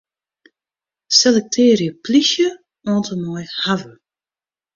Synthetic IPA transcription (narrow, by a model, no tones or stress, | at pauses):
selɛk̚tʰeːɾjəplisjə | ɔːntəmɔjhavə